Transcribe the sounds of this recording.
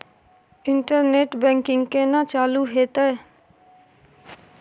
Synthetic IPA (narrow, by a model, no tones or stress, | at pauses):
ɪɳʈəɾneːʈbɛ̃ːŋkɪ̃ŋɡkenat͡ʃaːluɦeːt̪ə